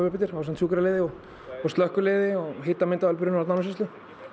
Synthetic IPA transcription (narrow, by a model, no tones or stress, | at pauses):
vʏhpɪnt̪ɪɾaas̬ɛmt̪sjuːkɪɾaleːðɪɔɣ | ɔst̪œhkʏleːðɪɔɣɦeːt̪amɪnt̪aalp̬ʏɾʏnawt̪naːmɪsɪst̪ɪ